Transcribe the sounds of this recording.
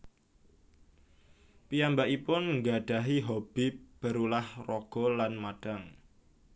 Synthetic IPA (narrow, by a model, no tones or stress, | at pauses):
pijambaʔipʊnŋɡaɖ̥a̤ɦiɦob̥ib̥əɾulahrɔɡ̥ɔ̤lanmad̥aŋ